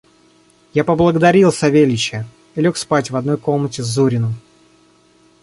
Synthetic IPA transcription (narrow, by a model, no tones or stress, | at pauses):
japəblˠəɡəd̪ɐɾʲilˠsɐvʲelʲɪt͡ɕɪ | ilʲo̞kspatʲvɐd̪no̞jkolmnətʲɪzːuɾʲɪnəm